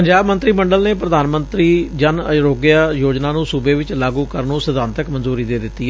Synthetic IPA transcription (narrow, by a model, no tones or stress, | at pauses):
pəɲd͡ʒaːbmə̃nt̪ɾiːməɳɖəlneːpɾəd̪aːnmənt̪ɾiːd͡ʒənəɾoːɡɪjaːjoːd͡ʒnãːnũːsʊbeːʋɪt͡ʃlaːɡũːkəɾnũːsəd̪ãːnt̪əkmənzuːɾiːd̪eːd̪ɪt̪ːiː